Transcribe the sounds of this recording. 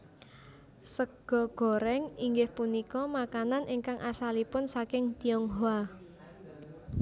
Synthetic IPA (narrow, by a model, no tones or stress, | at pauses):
səɡ̥ɔ̤ɡ̥ɔ̤ɾɛŋiŋɡɪhpunikɔmakananʔɪŋkaŋʔasalipʊnsakɪŋt̪iɔŋɦoa